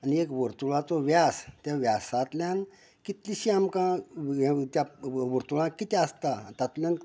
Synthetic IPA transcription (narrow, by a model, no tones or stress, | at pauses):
aniekʋəɾt̪uɭat͡sɔʋjast̪jaʋjasat̪ljan | kit̪liɕiamkã | t̪jaʋəɾt̪uɭãkit̪ɛəst̪at̪at̪ljãn